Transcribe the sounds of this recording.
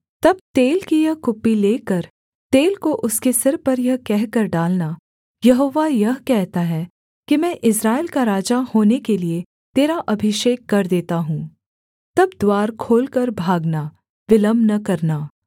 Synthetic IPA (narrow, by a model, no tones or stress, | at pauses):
t̪ɐb̚t̪eːlkijɐɦkʊpːileːkɐɾ | t̪eːlkoʔʊskesɪɾpɐɾjɐɦkɛɦkɐɾɖaːlna | jɐɦoːʋajɐɦkɛɦt̪aɦɛ | kimɛ̃ːʔɪs̬ɾaːeːlkaɾaːd͡ʒahoːnekelie | t̪eːɾaʔɐbʱɪʃeːkːɐɾd̪eːt̪aɦũː | t̪ɐbd̪waːɾkʰoːlkɐɾbʱaːɡna | ʋɪləmnɐkɐɾnaː